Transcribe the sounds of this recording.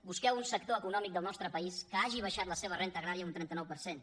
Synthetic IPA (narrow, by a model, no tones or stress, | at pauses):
buskɛwunsək̚t̪oəkunɔmik̚d̪əlˠnɔst̪ɾəpəiskəaʒiβəʃat̪ləseβ̞ərent̪əːɣɾaɾiəunt̪ɾɛnt̪ənɔwpərsen